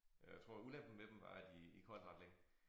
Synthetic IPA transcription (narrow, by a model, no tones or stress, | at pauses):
jat͡sʰʁo̝ɐ̰ulæmb̥n̩med̥em̩ʋɑ̈d̥iikʰɒ̰ːd̥ʁɑ̈d̥leŋ̰